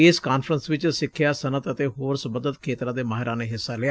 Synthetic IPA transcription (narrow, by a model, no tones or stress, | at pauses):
ɪskaːnfɾənsʋɪt͡ʃsɪkʰːɪjaːsənət̪ət̪eːɦoːɾsəbəd̪ət̪kʰeːt̪ɾãːd̪eːmaːɦɪɾãːnẽːɦɪsːaːlɪaː